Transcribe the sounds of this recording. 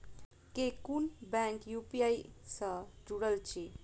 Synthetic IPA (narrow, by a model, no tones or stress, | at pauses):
kekunbaŋkjupijajsʌd͡ʒuɽʌlt͡ʃʰi